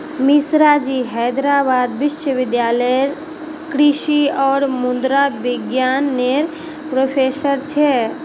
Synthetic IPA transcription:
misɾad͡ʒiɦəjd̪ɾabad̪biʃəbid̪jaləɾ | kɾiʃiɔːɾmund̪ɾabiɡjanːeɾ | pɾopʰesəɾt͡ʃʰɛ

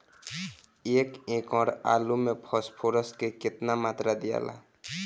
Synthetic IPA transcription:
eːkẽkɔɾa̰lumepʰɔspʰoɾəskekɪt̪namaːt̪ɾad̪ija̰la̰

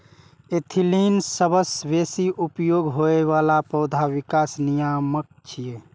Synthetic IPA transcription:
et̪ʰilinsəbəsbesiʔupjoɡɦoeʋalapəʊd̪ʱaʋikasnijamək̚t͡ʃʰije

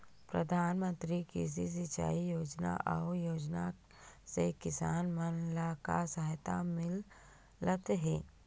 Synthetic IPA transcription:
pɾəd̪ʱaːnmə̃nt̪ɾikis̬is̬ɪt͡ʃa̰ːijoːd͡ʒna̰ʔɔːjoːd͡ʒna | sekɪsaːnmənlakasəɦɪt̪amɪl | ət̪ɦɛː

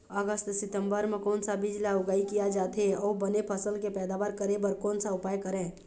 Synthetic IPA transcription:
əɡəst̪sɪt̪əmbəɾmekɔːnsabid͡ʒlaʊɡaikijad͡ʒaːt̪ʰeɔːbənepʰəsəlkepɛːd̪abaɾkəɾebəɾkɔːnsaʊpajkəɾẽː

